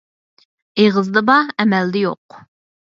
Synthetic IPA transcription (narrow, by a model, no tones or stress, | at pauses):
eʁəzd̪ɨbɑɛmɛld̪ɛjoq